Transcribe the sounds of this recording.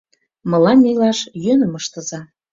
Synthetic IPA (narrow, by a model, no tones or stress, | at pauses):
mɤ̆lɑnːejlɑʃjønəməʃt̪ə̆zɑ